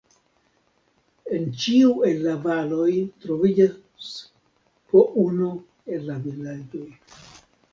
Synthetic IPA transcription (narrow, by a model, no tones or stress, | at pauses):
e̞nt͡ʃiue̞lːavalo̞jtɾo̞vid͡ʒa | s | poʔunu | e̞llaviland͡ʒo̞j